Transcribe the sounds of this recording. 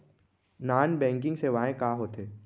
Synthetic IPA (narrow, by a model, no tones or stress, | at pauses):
naːnbɛ̃ːŋk̬ɪ̃ŋɡseʋaːẽkaːɦoːt̪eː